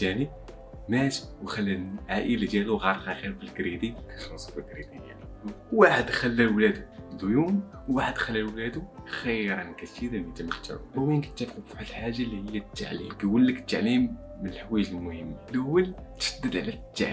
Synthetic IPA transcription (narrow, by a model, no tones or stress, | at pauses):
tæni | mæt̪wxælːæʕaʔəlæd͡ʒæluɣɑɾˤqæxiɾfəlɡɾid̪ikæxsˤfəlɡɾid̪iæ̰nwwaħəd̪xælːælwlæd̪uʕənd̪ujumwwaħəd̪xælːælwlæd̪uxəjɾɑnkæt̪tiɾənit̪ːæməkt̪ʰːæ̰winki̥t̪ːæfquffħat̪lħaʒːalihəjːæt̪ːa̰ʕlḭmkæwəlːəkə̥t̪ːaʕlimː | ənəlħwæjʒəlmʊhəmːalʊwːəlt̪ʃəd̪ːəd̪ʕlæt̪ːa̰ʕ